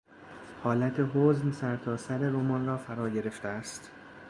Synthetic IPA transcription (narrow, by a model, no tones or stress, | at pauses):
hɒːlæt̪ʰe̞ɦoznsæɾt̪ʰɒːsæɾe̞ɾomɒːnrɒːfæɾɒːɟe̞ɾe̞ft̪eæst̪